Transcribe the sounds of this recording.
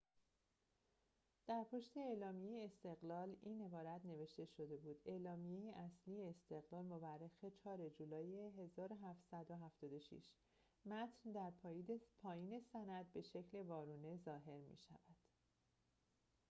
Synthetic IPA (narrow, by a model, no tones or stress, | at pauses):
d̪̥æɾpʰo̞ʃt̪e̞eːlɒːmijejeːst̪e̞ɣlɒːliːne̞bɒːɾæt̪ʰne̞ve̞ʃt̪e̞ʃo̞d̪e̞buːd̪e̞lɒːmijejeʔæslijeːst̪e̞ɣlɒːlmo̞værːexe̞t͡ʃʰɒːɾe̞d͡ʒuːlɒːjeɦe̞zɒːɾoɦæft̪sæd̪oɦæft̪ɒːd̪o̞ʃḭʃ | mæt̪ʰnd̪æɾpʰɒːipʰɒːjiːne̞sænæd̪̚be̞ʃe̞cʰle̞vɒːɾuːne̞zɒːɦe̞ɾmḭʃæ̰væd̪̥